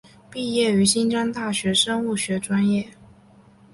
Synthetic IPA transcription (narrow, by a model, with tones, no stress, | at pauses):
pi˥˧jɛ˥˩y˧˥ɕi˥nʈ͡ʂɑ˥ŋt̪a˥˩ɕɥɛ˧˥ʂɤ˥ŋu˥˩ɕɥɛ˧˥ʈ͡ʂwa˥njɛ˥˩